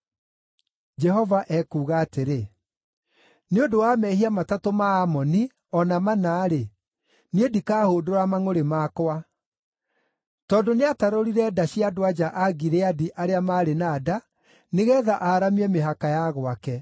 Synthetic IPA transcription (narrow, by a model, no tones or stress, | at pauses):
d͡ʒɛɦɔvaʔɛkuːɣaːteɾe | neodowamɛɦiamatatomaːmɔni | ɔnamanaːɾe | nedikaːhoːdoɾamaŋoɾemaːkwa | tɔːndoneataɾoɾiɾɛdaɕiadowad͡ʒaʔaɡiɾeadiʔaɾeamaːɾenaːda | neɣɛːðaʔaːɾamiɛmeɦakajaɣwakɛ